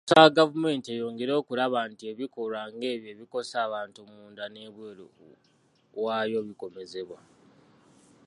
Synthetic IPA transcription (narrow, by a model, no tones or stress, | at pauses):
taɡavume̞ntejo̞ːŋɡe̞ɾo̞ːkulaβaːntie̞βiko̞ɾwaŋɡe̞ːβje̞ːβiko̞saːβaːntumuːndane̞βwe̞ːlo̰ | waːjo̞βiko̞me̞ze̞βwa